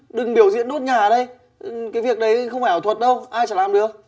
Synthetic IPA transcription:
ɗɨ˨˩ŋɓi˧˩əwzḭ˧˨ənɗo˦˥t̚ɲaː˨˩˨ɗə˧j | kaː˨˦jvi˨˩ək̚ɗə˨˦jxə˧wŋ͡mfaː˧˩jt̪ʰwə˨˩t̚ɗə˧wʔaː˧jt͡ɕaː˧˩laː˨˩mɗɨ˨˩ək̚

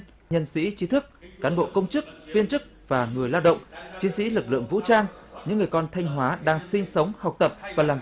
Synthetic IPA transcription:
ɲə˧nsḭ˧˥t͡ɕi˨˦t̪ʰɨ˦˥k̚ːaː˨˦nɓo̰˧˨kə˧wŋ͡mt͡ɕɨ˦˥k̚fi˧ənt͡ɕɨ˦˥k̚ | vaː˨˩ŋɨ˨˩əjlaː˧wɗə̰˧˨wŋ͡mt͡ɕi˨˦sḭ˧˥lɨ˨˩k̚lɨ̰˧˨əŋvṵ˧˥t͡ɕaː˧ŋɲɨ̰˧˥ŋːɨ˨˩əjkɔ˧nt̪ʰa˧jŋ̟ɦwaː˨˦ɗaː˧ŋsi˧ŋ̟sə˨˦wŋ͡mha˨˩wk͡p̚t̪ə˨˩p̚vaː˨˩laː˨˩

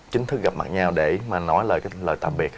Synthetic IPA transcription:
t͡ɕï˨˦ŋ̟t̪ʰɨ˦˥k̚ɣa˨˩p̚ma̰˨˩ɲaː˧wɗe˧˩maː˨˩nɔ˨˦jləː˨˩jka˨˦ləː˨˩jt̪a̰ː˧˨˩m̚ɓi˨˩ə

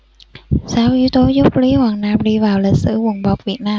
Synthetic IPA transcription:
saː˨˦wʔi˨˦wt̪o˨˦zʊ˦˥k͡p̚li˨˦hwaː˨˩ŋnaː˧mɗi˧vaː˨˩wlï˨˩k̟̚sɨ̰˧˩wə˨˩nɓa˨˩wk͡p̚vi˨˩ət̚naː˧m

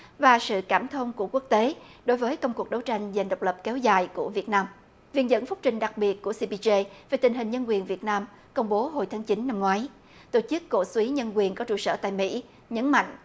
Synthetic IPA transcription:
vaː˨˩sɨ̰˧˨kaː˧˩mt̪ʰə˧wŋ͡mku˧˩əku˦˥ək̚t̪e˨˦ɗo˨˦jvəː˨˦jkə˧wŋ͡mku˨˩k̚ɗə˨˦wt͡ɕa˧jŋ̟za˨˩ŋɗə˨˩wk͡p̚lə˨˩p̚kɛ˨˦wzaː˨˩jku˧˩əvi˨˩ət̚naː˧m | vḭ˧˨ənzə̰˧˥nfʊ˦˥k͡p̚t͡ɕï˨˩ŋ̟ɗa˨˩k̚ɓi˨˩ət̚ku˧˩əsi˧pi˧ze˧ve˨˩t̪ï˨˩ŋ̟ɦi˨˩ŋ̟ɲə˧nkwi˨˩ənvi˨˩ət̚naː˧m | kə˧wŋ͡mɓo˨˦ɦo˨˩jt̪ʰaː˨˦ŋt͡ɕi˨˦nːa˧mŋwaː˨˦j | t̪o˧˩t͡ɕɨ˦˥kːo̰˧˨swi˨˦ɲə˧nkwi˨˩ənkɔ˨˦t͡ɕṵ˧˩sə̰ː˧˩t̪a̰ː˧˨jmḭ˧˥ | ɲə˨˦nma̰˧˨jŋ̟

